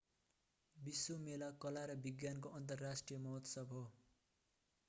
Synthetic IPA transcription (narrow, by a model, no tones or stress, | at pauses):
biswomelakʌlaɾʌbiɡjankoʔʌnt̪̬ʌrːasʈrijʌmʌɦʌt̪sʌbʱo